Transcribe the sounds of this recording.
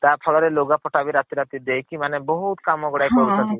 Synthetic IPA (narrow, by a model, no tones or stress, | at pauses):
t̪aɾpʰɔɭɔɾeloɡapɔʈabiɾat̪iɾat̪id̪ejkimanebɔɦut̪kamɔɡɔɽajkɔɾut̪ɔd̪i